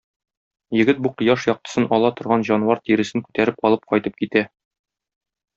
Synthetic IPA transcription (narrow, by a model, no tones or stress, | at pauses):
jɘ̆ɡɘt̪̚buqɤ̆jɑʃjɒq̚t̪ɤ̥̆sɤnɒlˠɑt̪ŏɾʁɑnʑɒnwɑɾt̪iɾɘ̆sɘŋkʉ̥t̪æɾɘp̚ɒlˠɤp̚qɒjt̪ɤp̚kit̪æ